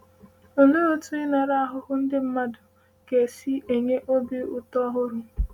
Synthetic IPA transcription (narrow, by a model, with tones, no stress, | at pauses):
o˨nu˦o˦tu˦ɪ˦na˨ɾa˦a˦ɦʊ˦hʊ˦n̩˦dɪ˦m̩˦ma˦dʊ˨ | ke˨si˦e˨ɲe˦ʔo˦bi˦ʊ˨tɔ˦ɦʊ˦ɾʊ˨